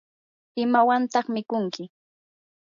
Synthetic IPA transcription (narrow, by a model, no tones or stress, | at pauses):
ɪmawant̪ɑχmɪkʊŋkɪ